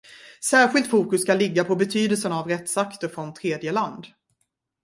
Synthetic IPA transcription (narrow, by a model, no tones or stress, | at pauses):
sæːɾɧɪlt̪fuːkɵsːkalɪɡːapʰɔbɛt̪ʰyːd̪əlsənaavɾɛt̪sakt̪əɾfɾɔnt̪ʰɾeːd̪jəland̪